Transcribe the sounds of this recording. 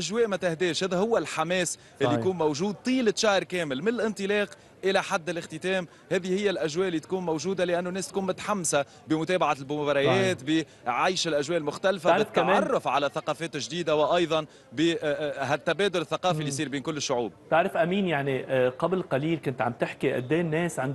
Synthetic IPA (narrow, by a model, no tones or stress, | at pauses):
ʔæʒwɛːʔmæt̪ɪhd̪ɛːʃhæːðæhʊwːælħamɛːs | hɛːijkuːnmowʒuːd̪̚t̪ˤiːlɪt̪ʃaːhɾˤkɛːmɪlmɪnɪlʔɪnt̪ˤɨlɑːq | ʔɪlæħad̪ːɪlʔɪxt̪ɪt̪ɛːm | hɛːðihɪjːælʔæʒwɛːʔɪlːit̪kuːnmowʒuːd̪alɪʔænːunːɛːst̪kuːnmʊt̪ḁħamːsa | bɪmʊt̪ɛːbaʕalbʊbɑɾˤɑjɛːt̪bi | ʕajʃɪlʔæʒwɛːʔɪlmʊxt̪ælfabɪt̪ːamɑrˤːʊfʕalæθaqɑːfɛːt̪ɪʒd̪iːd̪awɪʔɑjðˤɑn | biɦæt̪ːæbɛːd̪ʊlɪθːaqɑːfilːiːsˤiːɾbiːnkʊlːɪʃːʊʕṵːb̚t̪ɪʕɾɪfʔæmiːnjaʕniqɑblqɑliːlkʊnt̪ʕa̰mt̪ɪħkiʔæ̰d̪ːɛːnːɛːsʕand̪